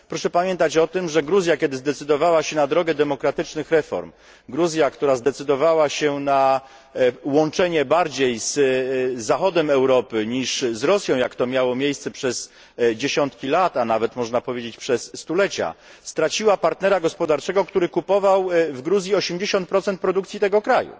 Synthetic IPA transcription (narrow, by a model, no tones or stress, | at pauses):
pɾɔʂɛpamʲjɛnt̪at͡ɕɔt̪ɘmʐɛɡɾuzʲjakʲɛd̪ɘzd̪ɛt̪sɘd̪ɔvawaɕɛnad̪ɾɔɡɛd̪ɛmɔkɾat̪ɘt͡ʂnɘxɾɛfɔ̰ɾm | ɡɾuzʲjakt̪uɾazd̪ɛt̪sɘd̪ɔvawaɕɛna | wɔnt͡ʂɛɲɛbaɾd͡ʑejzzaxɔd̪ɛmɛwɾɔpɘɲiʂzɾɔsʲjɔ̃w̃jakt̪ɔmʲjawɔmʲjejst̪sɛpʂɛs | d͡ʑeɕɔnt̪kʲilat̪anavɛt̪mɔʐnapɔvʲed͡ʑet͡ɕpʂɛsːt̪ulɛt͡ɕa̰st̪ɾat͡ɕiwapaɾt̪nɛɾaɡɔspɔd̪aɾt͡ʂɛɡɔkt̪uɾɘkupɔvawvɡɾuzʲjiɔɕemd͡ʑeɕɔnt̪̚pɾɔt̪sɛnt̪̚pɾɔd̪ukt̪sʲit̪ɛɡɔkɾajṵ